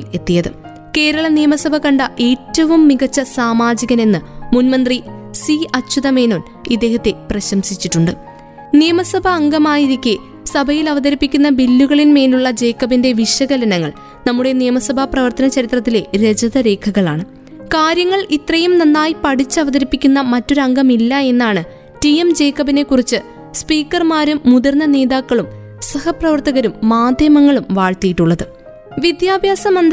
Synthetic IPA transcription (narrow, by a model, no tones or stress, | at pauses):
le̞t̪ːijɐðɨ | ke̞ːɾɐɭɐnijɐmɐsɐbʱɐkɐɳɖɐʔe̞ːtːɐʋumːiɣɐt͡ɕːɐsaːmaːd͡ʑiɣɐne̞nːɨmunmɐnd̪risiɐt͡ɕːuðɐme̞ːno̞ːn | id̪ːe̞ːhɐt̪ːe̞prɐɕɐmsit͡ɕːiʈːuɳɖɨ | nijɐmɐsɐbʱɐːŋɡɐmaːjiɾikʲːɨ | sɐbʱɐjilɐʋɐðɐɾipːikʲːunːɐbilːuɣɐɭinme̞ːluɭːɐd͡ʑe̞ːkːɐbinde̞ʋiʂɐɣɐlɐnɐŋːɐɭ | nɐmːuɽe̞nijɐmɐsɐbʱaprɐʋɐrt̪ɐnɐt͡ɕɐɾit̪rɐt̪̬ːile̞ɾed͡ʑɐðɐɾe̞ːkʰɐɣɐɭa̰ːɳɨ | kaːɾjɐŋːɐɭit̪rɐjumnɐnːaːjipɐɽit͡ɕːɨɐʋɐðɐɾipːikʲːunːɐmɐtːo̞ɾuɐŋɡɐmilːɐe̞nːaːɳɨ | ʈijemd͡ʑe̞ːkːɐbine̞kːurit͡ɕːɨ | spiːkːɐrmaːɾumːuðɐrnːɐne̞ːðaːkːɐɭum | sɐhɐprɐʋɐrt̪ɐɣɐɾumːaːd̪ʱjɐmɐŋːɐɭumʋaːɭt̪ijiʈːuɭːɐðɨ | ʋid̪jaːbʱjaːsɐmɐnd̪